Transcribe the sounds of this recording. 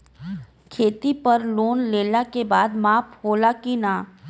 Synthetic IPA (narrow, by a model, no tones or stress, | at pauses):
kʰeːt̪ipɐɾloːnleːlakebaːd̪maːphoːlakinaː